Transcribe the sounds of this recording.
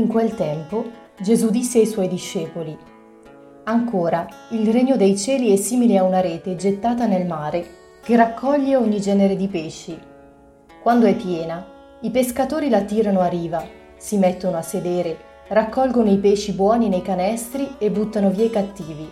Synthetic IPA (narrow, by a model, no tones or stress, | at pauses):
iŋkwelt̪ɛmpo | d͡ʒezud̪isːeajswɔjd̪iʃːeːpoli | aŋkoːɾailreɲːod̪ejt͡ʃɛːliɛsiːmileaunaɾeːt̪ed͡ʒet̪ːaːt̪anelmaːɾe | k̟erakʰːɔʎːeoɲːid͡ʒɛːneɾed̪ipeːʃːi | kwand̪oɛpːjɛːna | ipeskat̪oːɾilat̪iːɾanoarːiːva | simɛt̪ːonoasːed̪eːɾe | rakːɔlɡonoipeːʃibwɔːninejkanɛst̪ɾiebːut̪ːanoviːekat̪ːiːvi